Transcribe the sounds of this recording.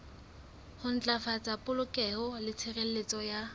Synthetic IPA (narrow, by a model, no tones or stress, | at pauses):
hʊn̩t͡ɬʼafat͡sʼapʼʊlʊkʼɛhʊlɪt͡sʰɪrel̩let͡sʼɔja